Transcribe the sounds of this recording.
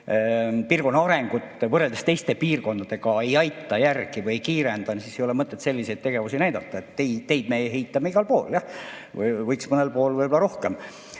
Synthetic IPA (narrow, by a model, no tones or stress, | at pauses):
piːrko̞nːɑɑɾeŋɡ̥ut̪ːvɤrːeld̪̥est̪e̞jst̪e̞piːrko̞nd̪ɑd̪̥e̞ɡɑe̞jɑjt̪ːɑjærɡ̥ivɯjejkiːɾend̪ɑnsiːsejo̞lɛmɤt̪ːˑe̞t̪se̞lʲːise̞jt̪̚t̪e̞ɡ̥e̞vusinæjd̪ɑt̪ːˑɑet̪ːejt̪e̞jd̪̚meɦe̞jt̪ːˑɑmeiɡ̥ɑlpo̞̰ːljɑ | vɤjksmɤnelpo̞ːlvɯjbolɑɾo̞hkem